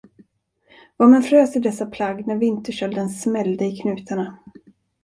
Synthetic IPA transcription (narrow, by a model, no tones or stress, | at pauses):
vaːɾmɛnfɾøːsɪd̪ɛsːapʰlaɡːnæɾvɪnt̪əʂœld̪ənsmɛld̪əɪkʰnʉ̟ːt̪ʰaɳa